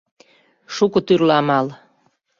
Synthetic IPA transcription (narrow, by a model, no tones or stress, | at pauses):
ʃukot̪yrlɑmɑl